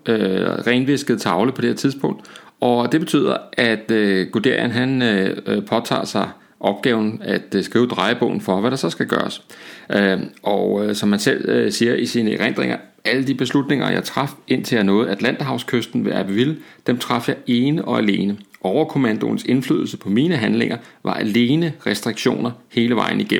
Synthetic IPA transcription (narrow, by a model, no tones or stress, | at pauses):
øʁɛɪnʋe̝sɡ̥əð̩ˠt͡sʰɑ̈ʊləpʰɒ̽d̥e̝heɐt͡sʰið̞ˠsb̥ɔ̽ŋ̰d̥ | ʔɒ̽d̥e̝b̥e̝̥t͡sʰy̰ːð̰ˠɐʔæd̥øɡ̥ud̥e̝ɐ̰jənɦænpʰɒ̽t͡sʰɑ̰̈ːsɑ̈ɪ | ʔɒ̽b̥̚ɡ̥ɛ̰ːʊn̩æd̥sɡ̥ʁiːʊd̥ʁɑ̈ɪəb̥ɔ̽ːn̩fɒ̽ʋæɾ̥ɑ̈sɒ̽sɡ̥æɡ̥ɶ̰ːɐs | ʔɒʊsɒ̽mhænsel̰siːɐʔisiːnəʁen̰d̥ʁeŋ̰ʔɐ | ʔæləd̥ib̥e̝slud̥ne̝ŋɐjɑ̈ɪt͡sʰʁɑ̈fe̝n̰t͡sʰe̝æɐnɔ̽ːð̞̩ˠæd̥læn̰d̥ɐɦɑ̈ʊskʰøsd̥n̩ʋe̝ʔæb̥əʋild̥emt͡sʰʁɑ̈fjɑ̈ɪʔe̝ːnəʔɒ̽æle̝ːnəʔɒʊ̰ɐkʰo̝mænd̥o̝̰n̩se̝nfly̰ːðˠl̩səpʰɒ̽miːnəɦænle̝ŋ̰ʔɐʋʔɑ̈ʔæle̝ːnəʁɛsd̥ʁiɡ̥ɕo̝̰ːnɐhe̝ːləʋɑ̈ɪ̰n̩iɡ̥em̰m̩